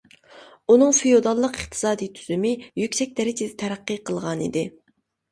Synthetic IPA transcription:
unɨŋfijod̪ɑlˠːəqəqt̪ʰɨ̥sɑːd̪ijt̪ʰyz̥ymɪjykʲsɛk̚ʲd̪ɛɾɪd͡ʒʰɪd̪ɛt̪ʰɛɾæqːɨqʰəlˠʁɑnḭd̪ɪ

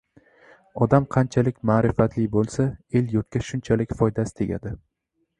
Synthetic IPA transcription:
ɒd̪amqʰɑnt͡ʃʰalɪkʲmaːɾɪfat̪lɪbolˠsae̞ljɒt̪̚kʲaʃʊnt͡ʃʰalɪkʲfɒjd̪asɪ̥t̪ʰeɡʲa̰d̪ɪ

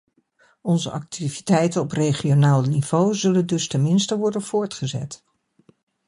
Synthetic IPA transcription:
ɔnzəʔɑk̚tivitɛjtənɔprejχionaːlˠniv̥owzɵləndɵstɛnmɪnstəʋɔɹdənv̥ʊːɹtχəzɛ̰t

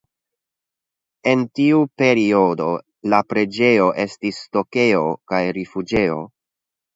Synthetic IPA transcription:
e̞ntiupe̞ɾio̞do̞ | lapɾe̞d͡ʒe̞o̞ʔe̞stisto̞ke̞o̞kajɾifud͡ʒe̞o̞̰

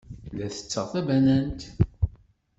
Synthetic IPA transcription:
læθə̥t͡sːəʁθæbænænt̪

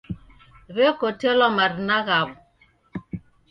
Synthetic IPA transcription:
ɾekotelɔmaɾnaɣab

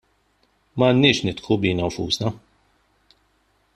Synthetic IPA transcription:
mɐːnːɪːʃnɪt̪kubiːnɐwfṵːsnɐ

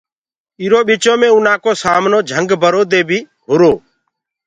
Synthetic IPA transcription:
ɪːɾoːɓit͡ʃõːmẽːʊnãːkoːsaːmnoːd͡ʒʱəŋɡbəɾoːd̪eːbʱiː | ɦʊɾoː

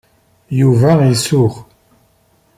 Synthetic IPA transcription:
juvæisuʁ

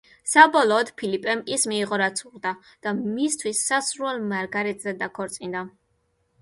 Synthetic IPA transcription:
sabɔlˠɔːd̪̥pʰilipʼɛmismiːʁɔɾat̪sʰuʁd̪a | d̪̥amist̪ʰwisːasɾuɛlˠmaɾɡaɾɛt̪ʼzɛd̪akʰɔɾt̪sʼind̪a

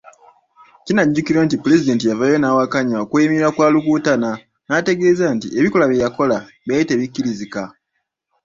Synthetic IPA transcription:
cinaɟːukiɾontipule̞zide̞ːntijavajo̞naːwakaɲaokueimiiɾakwaːlukuːtana | nate̞ɡe̞ːzantie̞βikolaβjejako̞laβjajite̞ːβikːiɾizika

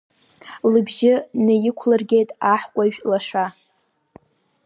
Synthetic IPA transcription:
lɨbʒɪnɨjɪkʷʰlɨrɡʲejtʼaħkʷʼaʒᶣlaʂa

